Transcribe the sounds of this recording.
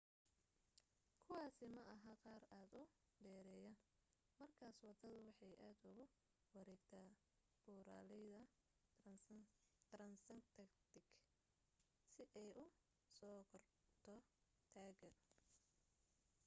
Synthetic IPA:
kʰʊwɑːsɪmɐʔɐɦaqɑːraːd̪ʊ | ɖɛːɾɛːjɐ | mɐrkʰaːswɑd̪ɐðʊwɑħɑjʔaːd̪ʊɣʊ | wɑɾɛːɡt̪ʰaː | b̥uːɾa̰ːlɪjðɐ | ɾɐnsɐnt̪ʰɐkt̪ʰɪɡ | sɪʔɛjʔʊ | sɔːkʰɐrt̪ʰɔ | t̪ʰaːɡɐ

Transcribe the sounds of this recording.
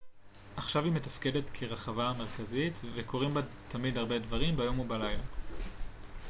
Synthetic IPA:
ʔaχʃavime̞tafke̞de̞t̪kʰeʁaχavame̞ʁkazitveko̞ʁimbat̪ʰamidhaʁbe̞dvaʁimbajo̞mubalajla̰

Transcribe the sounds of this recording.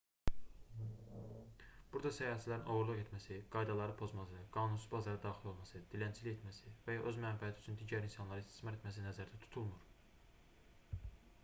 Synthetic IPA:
b̥uɾd̪ɑsæjɑːæsilæɾinʔo̞ʁuɾlˠuʁe̞t̪mæsiɡ̥ɑjd̪ɑlˠɑɾɯpʰo̞zmɑsɯɡ̥ɑːnunsuzbɑzɑɾɯd̪ɑːxilˠo̞lˠmɑsɯd̪̥ilænt͡ʃʰilije̞t̪mæsivæjɑʔøzmænfihæt̪iyt͡ʃʰynd̪iːɟæɾinsɑnlˠɑɾɯist̪i̥smɑt̪e̞t̪mæs̬inæzæɾd̪æt̪ʰu̥t̪ʰulˠmuɾ

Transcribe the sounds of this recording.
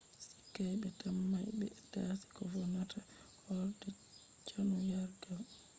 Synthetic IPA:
si̥kːajbɛtamːajbɛ̰tasi̥kɔfɔnatʰahɔɾdɛ | t͡ʃanujaɾɡal

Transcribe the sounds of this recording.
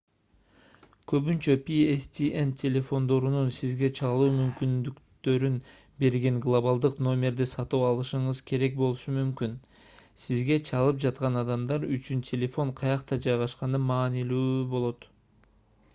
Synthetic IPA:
kʰø̞βynt͡ʃø̞pʲiest̪ʲiʔent̪ʲʰelʲe̞fo̞nd̪o̞ɾununsizɡe̞t͡ʃʰɑlˠuːmymkynd̪ykt̪ø̞ɾyn | be̞ɾɡeŋɡlˠoβalˠd̪ɯqno̞mʲe̞ɾd̪isɑt̪uɑlˠɯʃɯɴɯzkʰe̞ɾe̞k̚bo̞lˠuʃumymkyn | sizɡe̞t͡ʃʰɑlˠɯp̚d͡ʒɑt̪qɑnɑd̪ɑmd̪ɑɾyt͡ʃynt̪ʲʰe̞lʲe̞fo̞ɴqʰɑjɑqt̪ɑd͡ʒɑjʁɑʃqɑnɯmɑːnilyːbo̞lˠo̞t̪

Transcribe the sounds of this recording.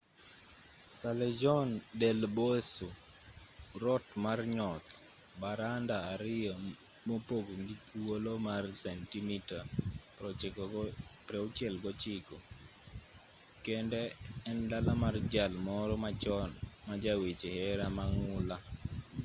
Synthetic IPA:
salɛd͡ʒɔndɛlboso | ɾɔtmarɲɔt̪ | baɾandaːɾɪɔ | mopoɡŋɡitwolomarsɛntimitapɔ | pɾɛʊt͡ʃɛlɡɔt͡ʃɪkɔ | kɛndɛːndalamard͡ʒalmɔɾɔmat͡ʃɔnmad͡ʒawet͡ʃehɛɾamaŋʊla

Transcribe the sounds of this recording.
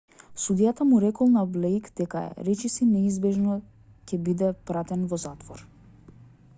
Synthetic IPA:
sud̪ijat̪amuɾɛkɔlˠnablɛjkd̪ɛka̰ɾɛt͡ʃisinɛizbɛʒnɔ | cɛbid̪ɛpɾat̪ɛnvɔzat̪vɔɾ

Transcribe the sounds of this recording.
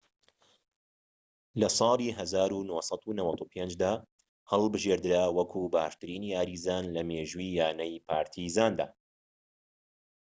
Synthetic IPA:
lɐsˤɑːlˠiːɦɐzaːɾunosˤɑt̪unɐwɐt̪ʰupʰeːnd͡ʒd̪aː | hɐlˠbɨʒeːɾd̪ɨɾaːwɐkʰuːba̰ːʃt̪ɨɾiːniːaːɾiːzaːnlɐmeːʒiːjaːnɐjpʰaːɾt̪ʰizaːnd̪a̰ː

